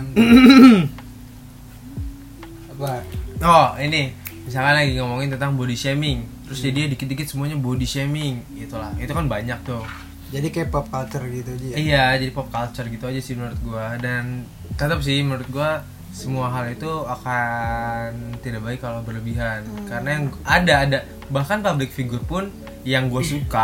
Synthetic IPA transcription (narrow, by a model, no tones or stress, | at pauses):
baɔinɪhmis̬alkanlaɡiŋamoŋɪnt̪ənt̪aŋbodiʃemɪŋt̪əɾʊsd͡ʒadiadikɪt̪̚dikɪt̪̚səmuaɲabodisemɪŋ | it̪ulahit̪ukanbaɲak̚t̪ʊh | d͡ʒadikajapɔp̚kalt͡ʃərɡit̪ud͡ʒijad͡ʒadipɔp̚kalt͡ʃərɡit̪uad͡ʒasɪhmənuɾʊt̪̚ɡuadan | t̪ət̪ap̚s̬ɪhmənuɾʊt̪̚ɡua | səmuaɦalit̪uaka | nt̪idabaɪkːalobərləbiɦankaɾənajaŋadaːda | bahkanpablɪk̚fiɡʊrpʊn | jaŋɡuasuka